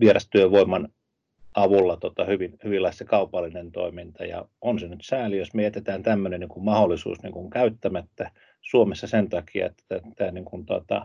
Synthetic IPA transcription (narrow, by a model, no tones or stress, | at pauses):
ʋierɑst̪yøʋʋoimɑn | ɑʋulːɑt̪ot̪ɑhyʋinhyʋilːɑist̪ɑkɑupɑlːinent̪o̰imint̪ɑjɑ̰onsenyt̪sæːlijosmejet̪et̪æːnt̪æmːøneniŋkummɑholːisṵːsnḭŋkuŋkæyt̪ːæmæt̪ːæ | suomesːɑsent̪ɑkiɑ̰ḛt̪æt̪ːæːniŋkunt̪uɑ̰t̪ɑ̰